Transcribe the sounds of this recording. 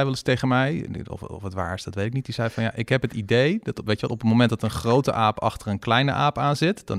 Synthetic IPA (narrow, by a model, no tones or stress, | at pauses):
ɛjʋɛlˠɪstejχənmɛjɔ̰ffətʋa̰ːɹɪsdɑtʋejtɪknit̚dizɛjfɑnja̰ʔɪkɦɛpɦətidejdtʋejtəʋɛ̰lˠɔpənmomɛ̃ntdɑtənχrowtə̰ʔaːpɑ̰χtərənklɛjnə̰ʔaːpaːnzɪtd̥ɑ̰n